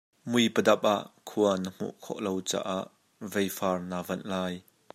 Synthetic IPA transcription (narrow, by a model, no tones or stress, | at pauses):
mujpədɐp̚ʔaʔkʰuɐnəm̥ṵʔkʰɔ̰ʔlowt͡sa̰ːʔaʔ | vejfaːrnaːvɐnʔlaːj